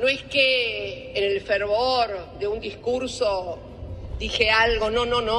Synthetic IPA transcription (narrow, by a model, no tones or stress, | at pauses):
noeskeː | nelfeɾβoɾd̪eund̪iskuɾso | d̪ixealɣo̞nonono